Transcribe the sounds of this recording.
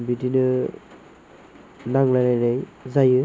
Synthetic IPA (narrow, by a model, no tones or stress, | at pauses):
bidinɯ | naŋlajnajnajzajɯ